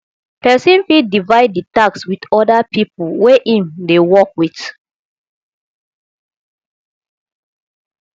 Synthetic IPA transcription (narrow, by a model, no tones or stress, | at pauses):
pɛsĩnfidivaɪd̚ːitakswidɔdapʰipulwɛʔĩndewɔkwit